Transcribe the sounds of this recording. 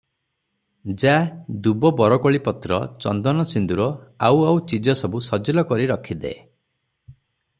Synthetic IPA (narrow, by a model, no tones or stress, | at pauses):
d͡ʒad̪ubɔbɔɾɔkɔɭipɔt̪ɾɔ̰t͡ʃɔ̰nd̪ɔnɔsind̪uɾɔawawt͡ʃid͡ʒɔsɔbusɔd͡ʒɔlɔkɔɾiɾɔkʰid̪ḛ